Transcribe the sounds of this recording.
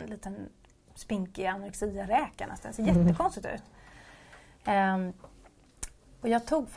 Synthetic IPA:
nliːt̪ən | spɪŋkɪanaɾksiːaɾɛːkanɛ̰st̪a̰nseːɾjɛt̪ːəkʰɔnst̪ɪt̪ʉ̰ːt̪ | ɔjɑːɡt̪ʰuːɡf

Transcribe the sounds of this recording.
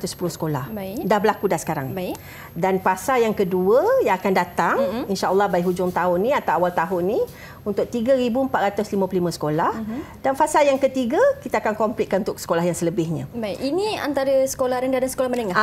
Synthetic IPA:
at̪ʊspulʊhsə̥kola̰hdahbəlakudasə̥kaɾa̰ŋba | danfasaljaŋkəduəjaŋakandat̪aŋinʃaʔəlˠːɑhbaiʔɦud͡ʒʊŋt̪aʊnːĩat̪awawalt̪aɦʊnːĩ | unt̪ʊk̚t̪iɡəɾibuəmpat̪̚ɾat̪ʊslimə̃pəlimə̃sə̥kolahd̥anfasaljaŋkət̪iɡəkit̪aakankɔmplɪt̪̚kanunt̪ʊk̚sə̥kolahjaŋsələbɪhɲã̰bakinĩa̰nt̪aɾəsə̥kolahɾəndadansə̥kolahmənəŋa

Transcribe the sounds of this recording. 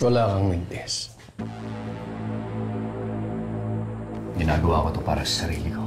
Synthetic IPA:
wɐlaːkɐŋmɪnd̪ɛs | ɡɪnaːɡɐwa̰ːkot̪opa̰ːɾɐsɐ̥sɐɾiːlɪko

